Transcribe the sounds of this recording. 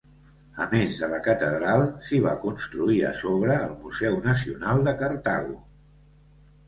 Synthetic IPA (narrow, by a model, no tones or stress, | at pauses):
ə̰mezðələkət̪əðɾalˠsiβ̞akunst̪ɾuiə̰soβɾəːlˠmuzɛwnəs̬iunalˠd̪əkəɾt̪a̰ɣṵ